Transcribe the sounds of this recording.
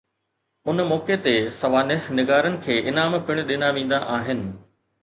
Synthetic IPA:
ʊnmɔːket̪esɐʋaːnɪɦnɪɡaːɾənɪ̆kʰeːʔɪnaːmpɪɽ̃̆ɗɪnaʋẽːn̆d̪aʔaːɦɪnɪ̆

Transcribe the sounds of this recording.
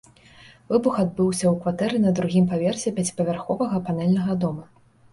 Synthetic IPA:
vɨbuxad̪̚bɨwsʲɐwkvat̪ɛɾɨnɐd̪ɾuɣʲimpavʲɛrsʲɛpʲat͡sʲi̥pɐvʲarxɔvɐɣɐpanɛlʲnɐɣɐd̪ɔmɐ

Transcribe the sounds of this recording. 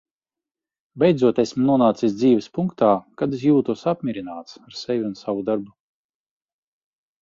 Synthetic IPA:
bʲɛjd̪zuɔt̪esmnuɔnaːt̪sisd̪ziːvɛspuŋkt̪aːkad̪is̬juːt̪uɔsap̚ʲmʲiɾinaːt̪saɾsɛvʲiunsavud̪aɾbu

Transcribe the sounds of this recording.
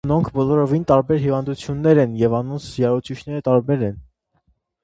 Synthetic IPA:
nɔŋkʰbɔlɔɾɔvint̪ɑɾbɛɾhivɑnd̪ut͡sʰjunːɛɾɛnjɛvɑnɔnt͡sʰjɑɾɔt͡sʰit͡ʃʰnɛɾət̪ɑɾbɛɾɛn

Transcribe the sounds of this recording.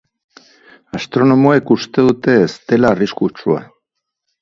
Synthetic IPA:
ast̪ɾo̞no̞moekust̪e̞ðut̪e̞ːst̪e̞laːriskut͡ʃua̰

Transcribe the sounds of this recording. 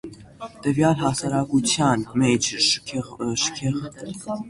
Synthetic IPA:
t̪əvjɑlɦɑsɑɾɑkut͡sʰjɑnmɛt͡ʃʰ | ʃə̥kʰɛʁ

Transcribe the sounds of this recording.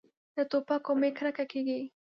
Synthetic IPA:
d̪ət̪opakomekɾakakeɡi

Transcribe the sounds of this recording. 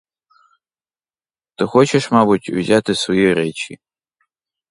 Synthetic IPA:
t̪ɪxɔt͡ʃeʃmɑbʊtʲʊwzʲat̪ɪsʋɔjiɾɛt͡ʃʲḭ

